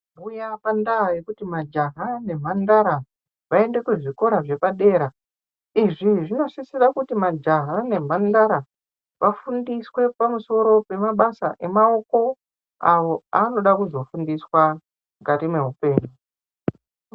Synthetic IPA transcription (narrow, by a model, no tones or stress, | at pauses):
mbujapandaajekutimad͡ʒaɦane̞m̤andaɾa | ʋae̞nde̞kuʐiko̞ɾaʐe̞paɗe̞ːɾa | iʐiʐino̞sisirakutimad͡ʒaɦane̞m̤andaɾa | ʋafundiswe̞pamuso̞ɾo̞pe̞maɓasaʔe̞mao̞ko̞ | a̰ʋo̞ano̞ɗakuzo̞fundiswa | ŋɡaɾime̞ɦupe̞ːɲu